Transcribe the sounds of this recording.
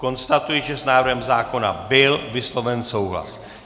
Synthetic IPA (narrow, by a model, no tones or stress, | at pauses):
ko̞nst̪at̪ujɪʒɛsnaːvrɾɦɛmzaːko̞na̰bɪlvɪslo̞vɛnso̞wɦla̰s